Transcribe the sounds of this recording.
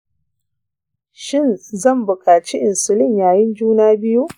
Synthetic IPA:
ʃɪ˦nzɐ˦˨mbʊ˨kʼaː˨t͡ʃi˦ʔɪ˨nsʊ˨lɪ˦˨ɲjaː˨jɪ˦nd͡ʒuː˦naː˦bɪ˦ju˦ʔ

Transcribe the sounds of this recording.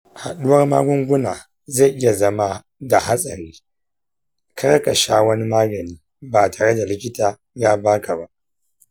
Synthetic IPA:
ha̰˨ɗʊ˦wɐ˦rma̰ː˦ɡʷʊ˦ŋɡʷʊ˦naː˨ | ze˦˨jʔɪ˦ja˨zɐ˦ma˦ | da˨ha˦sʼɐ˨ɾiː˦ | ka˦ɾka˨ʃaː˦wɐ˦ni˦maː˦ɡɐ˨niː˦ | baː˨taː˨ɽe˦da˨lɪ˦kʲɪ˦taː˨ | jaː˦baː˦ka˨ba˦ʔ

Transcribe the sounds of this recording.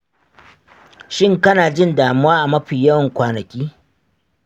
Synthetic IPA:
ʃɪ˦ŋkɐ˦naː˨d͡ʒɪ˦ndaː˨mʊ˦waː˦ʔa˨mɐ˦ɸiː˨jɐ˦wɐ˨ŋkʷaː˨nɐ˨kʲiː˦

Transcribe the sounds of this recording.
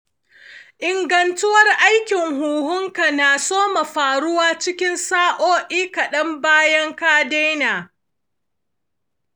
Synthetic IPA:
ʔɪ˨ŋɡɐ˨ntʊ˦wɐ˦rʔa˦jkʲɪ˨ŋhuː˨hʊ˦ŋka˨naː˨soː˦ma˨ɸaː˨ɽʊ˦waː˦t͡ʃɪ˦kʲɪ˦nsaː˦ʔoː˦ʔiː˦kɐ˨ɗɐ˦mbaː˦jɐ˦ŋkaː˦de˦jnaː˨

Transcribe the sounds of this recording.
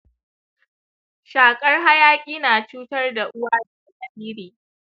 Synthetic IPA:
ʃaː˨kʼɐ˦rɦa˦jaː˦kʲʼiː˦naː˨t͡ʃuː˦tɐ˦rda˨ʔʊ˦waː˦da˨a˦sʼɐ˨biː˦ɾiː˨

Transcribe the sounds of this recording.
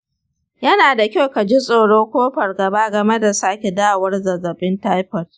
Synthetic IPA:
jɐ˦naː˨da˨kʲa˦wka˨d͡ʒi˦sʼoː˨ɽoː˦kʷoː˦ɸɐ˨rɡɐ˨baː˦ɡɐ˨me˦da˨saː˦kʲe˨daː˦wɐ˦rzɐ˨zɐ˨ɓɪ˦ntaː˦jɸɐ˨t

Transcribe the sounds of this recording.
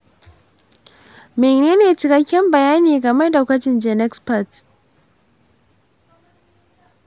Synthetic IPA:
meː˨neː˦neː˨t͡ʃɪ˨kɐ˦kʲːɛ˦mbɐ˨jaː˦niː˨ɡɐ˨mɛ˦da˨kʷɐ˦t͡ʃɪ˨nd͡ʒɛ˨nɛ˦kspɐ˨t

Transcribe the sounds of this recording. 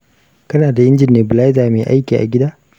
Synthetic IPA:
kɐ˦naː˨da˨ʔɪ˦nd͡ʒɪ˨neː˨bɪ˨la˦zaː˨meː˨ʔa̰˦jkʲiː˨ʔa̰˨ɡʲɪ˦daː˦

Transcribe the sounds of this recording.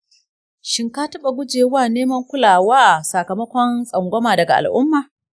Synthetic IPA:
ʃɪ˦ŋkaː˦tɐ˦ɓa˨ɡʷʊ˦d͡ʒeː˨waː˦˨neː˦mɐ˦ŋkʷʊ˦laː˨waː˦sɐ˨kɐ˨mɐ˦kʷɔ˦nsʼɐ˨ŋɡʷɔ˦maː˨dɐ˨ɡa̰˨ʔa̰˨lʔʊ˦mːaː˨

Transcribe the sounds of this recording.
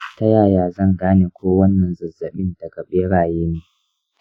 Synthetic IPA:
tɐ˦jaː˦˨jaː˨zɐ˦˨ŋɡaː˦neː˨kʷʰoː˦wɐ˦nːɐ˨nzɐ˨zːɐ˨ɓɪ˦ndɐ˨ɡɐ˨ɓeː˦ɽaː˨jeː˦neː˨

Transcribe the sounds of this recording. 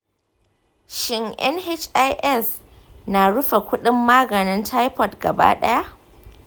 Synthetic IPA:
ʃɪ˦ŋʔɛ̰˦nhe˦t͡ʃa˦jʔɛ˦˨s | naː˨ɽʊ˦ɸa˨kʷʊ˦ɗɪ˦mːaː˦ɡɐ˨nɪ˦ntʰa˦jpɔ˨tɡ̥ɐ̰˨ba̰ː˦ɗɐ˦ja˦ʔ

